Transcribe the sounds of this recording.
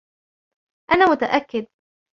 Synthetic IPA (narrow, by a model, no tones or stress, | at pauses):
ʔanaːmʊt̪aʔakːɪd̪̚